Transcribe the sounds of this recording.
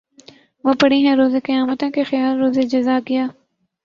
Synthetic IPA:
ʋopɐɽiɦɛ̃ɾoːzekɪjaːmət̪ẽkexɪjaːlɾoːzed͡ʒɐzaːɡɪjaː

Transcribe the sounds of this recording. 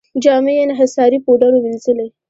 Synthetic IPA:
d͡ʒɑmejeneɦasɑɾipoɖaɾowilzəle

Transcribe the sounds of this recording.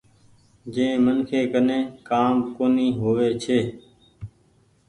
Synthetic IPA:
d͡ʒẽːmənkʰeːkənẽːkaːmkoːniːɦoːʋeːt͡ʃʰeː

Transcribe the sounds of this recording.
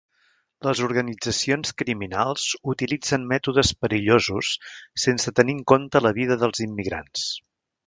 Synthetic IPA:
ləzuɾɣənid͡zəsionskɾiminalˠz̥ut̪ilid͡zənmɛt̪uðəspəɾiʎozusːensət̪əniŋkont̪ələβiðəðəlˠzimːiɣɾa̰ns

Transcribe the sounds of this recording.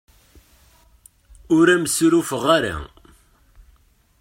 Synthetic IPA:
ʊɾæməsɾufəʁaɾa̰

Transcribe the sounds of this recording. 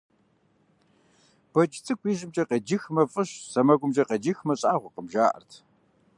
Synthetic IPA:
b̥ɐt͡ʃʼɪt͡sʼɨkʷʰʼiːʒɪmt͡ʃʼɐqɐd͡ʒɪxmɐfʼɨɕsɐmɐɡʷʊmʒɐqɐd͡ʒɪxmɐɕʼaːʁʷʊqəmʒaːʔɐ̰rtʰ

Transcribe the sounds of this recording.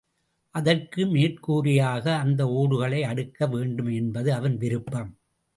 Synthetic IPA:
ʔɐðɐrkɯmeːrkuːrɪjaːɣɐːnd̪ɐoːɽɯɣɐɭɐɪɐɽɯkːɐʋeːɳɖɯmɛnbɐðɯɐʋɐnʋɪɾɯpːɐm

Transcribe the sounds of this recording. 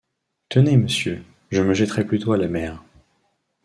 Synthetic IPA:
t̪əneməsjø | ʒəməʒɛt̪χɛplyt̪oalamɛːʁ

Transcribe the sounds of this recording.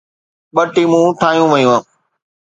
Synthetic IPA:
ɓəʈiːmũːʈʰaːɦijũʋəjũãː

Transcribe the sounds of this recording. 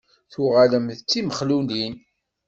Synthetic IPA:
θʊʁaləmθt͡sːiməχlunin

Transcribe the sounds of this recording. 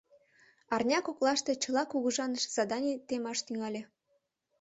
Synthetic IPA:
ɑrnʲɑkoklɑʃt̪et͡ɕəlɑkuɣəʒɑnəʃz̥ɑd̪ɑnʲit̪emɑʃt̪yŋɑlʲe

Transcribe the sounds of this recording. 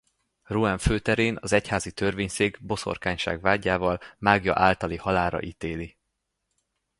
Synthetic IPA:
ruɛɱføːt̪ɛɾeːnɒzɛchaːzit̪ørveːɲseːɡbo̞so̞̰rkaːɲʃa̰ːɡvaːɟːaːvɒlmaːɡjɒ̰ʔaːlt̪ɒlihɒlaːɾɒ̰ʔit̪eːli

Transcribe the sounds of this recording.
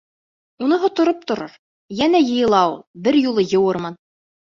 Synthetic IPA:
unɤɦŏt̪ŏɾop̚t̪ŏɾoɾ | jænæjɤ̆jɤ̆lˠɑwbɘɾjulˠɤjɤ̆wɤɾmɤn

